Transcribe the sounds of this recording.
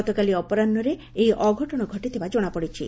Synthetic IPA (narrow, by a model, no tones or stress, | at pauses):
t̪okaliɔpɔɾanːɔɾe | ejʔɔɡʱɔʈɔɽ̃ɔɡʱɔʈid̪ʰibad͡ʒoɽ̃apɔɽit͡ʃʰi